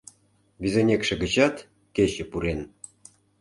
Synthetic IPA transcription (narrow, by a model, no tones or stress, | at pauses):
βʲizenʲekʃĕɡə̆t͡ɕɑt̪ | keɕɘ̆puɾen